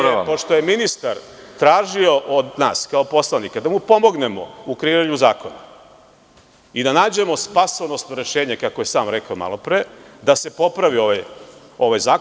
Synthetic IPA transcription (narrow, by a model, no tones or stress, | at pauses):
epoʃt̪o̞je̞minist̪aɾ | t̪ɾaːʒio̞ʔod̪naːskaopo̞slˠanikad̪amupo̞mo̞ɡne̞mo̰ukɾeiːɾaɲuzaːko̞na̰ | id̪anaːd͡ʑe̞mo̞spasonost̪noɾe̞ʃe̞ːɲekakoje̞saːmɾekaoma̰lˠo̞pɾied̪ase̞po̞pɾaʋio̞ʋaj | o̞ʋajzaː